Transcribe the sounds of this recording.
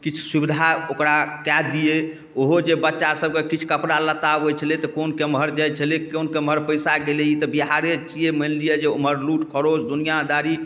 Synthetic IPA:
kit͡ʃʰu̥subid̪ʱaokɾakɛd̪ije | oɦod͡ʒebətːʃasəb̚kekit͡ʃʰkəpɾalət̪abɦojt͡ʃʰəlet̪ɔkonkemɦəɾd͡ʒajt͡ʃʰəlekonkemɦəɾpəjsaɡeleit̪ɔbiɦaɾet͡ʃijemənlijed͡ʒeoməɾluʈkʰəɾosd̪unijad̪aɾi

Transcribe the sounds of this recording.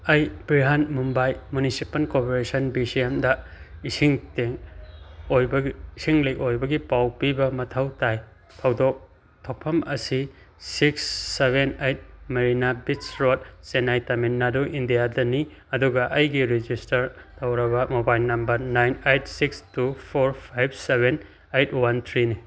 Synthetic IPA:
ɐjbɾiɦanmumbajmunisipɐlkopeɾesɐnbisiemdɐisiŋteŋ | ojbsiŋlɐjʔojbɐɡipawpibɐmɐtʰɐwtaj | tʰɐwdok̚ | tʰopʰɐmɐsi | siksːebenejt̚mɐɾinabit͡ʃɾot̚senajtɐminːaduʔindijadɐni | ɐduɡɐʔɐjɡiɾid͡ʒistɐɾ | tɐwɾɐβɐmobajlnɐmbɐɾnajnejt̚sikstupʰoɾpʰajb̚seben | ejt̚ʰwant̪ʰɾini

